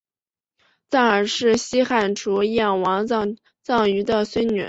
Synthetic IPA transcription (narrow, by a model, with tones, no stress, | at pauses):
t͡sa˥˩nə˞˨˩ʂɻ̩˥˩ɕi˥xa˥˩nʈ͡ʂʰu˧˥jɛ˥˩nwɑ˧˥ŋ˧ | t͡sɑ˥˩ŋy˧˥d̪ə˧swe˥ɪnɛ̰˨˩˦